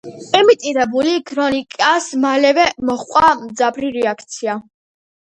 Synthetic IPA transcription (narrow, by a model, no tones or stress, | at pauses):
pʼɛmit̪ʼiɾɛbulikʰɾɔnikʼasmalɛvɛmɔχqʼamd̪zapɾiɾɛakʰt̪sʰia